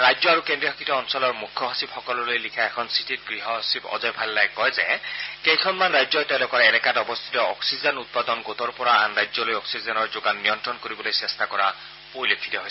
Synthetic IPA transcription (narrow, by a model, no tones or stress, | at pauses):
ɹajzɔaɹukendɹiɔɦɔkʰitɔɔnsɔlɔɹmukʰːɔɦasibxɔkɔlɔlojlikʰaɛkʰɔnsititɡɹiɦɔɦɔsibɔ̰zɔjpʰalːajkɔjzɛkejkʰɔnmanɹajzɔtɛ̃lɔkɔɹɛnɛkatɔbɔst̪ʰi̥tɔɔksizɛnut̪̚pad̪ɔnɡot̪ɔɹpɔɹaa̰nɹajzɔlojɔksizɛnɔɹzoɡanːijɔntɹɔnkoɹibɔlojsɛstakɔɹa̰ | poɹilokʰːi̥tɔɦojs